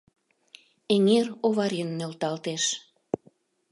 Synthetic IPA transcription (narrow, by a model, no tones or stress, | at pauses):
eŋeroβɑɾinːelt̪ɑlt̪eʃ